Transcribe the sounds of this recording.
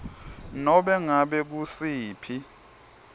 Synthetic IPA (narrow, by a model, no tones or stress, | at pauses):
nɔɓɛŋaɓɛk̬usiːpʰi